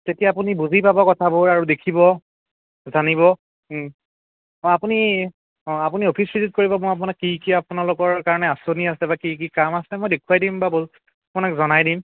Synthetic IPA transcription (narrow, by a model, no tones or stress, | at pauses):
tetijaːp̬unibuzipabakɔtʰabʊɹaɹudekʰibɔ | zanibɔ | apuni | apuniopʰispizit̚koɹibɔmʊap̬ʊnakːikiapunalʊkɔɹkaɹɔnɛasoniasɛbakikikamasɛmojdekʰuajdimbab | apʊnakzɔnajdim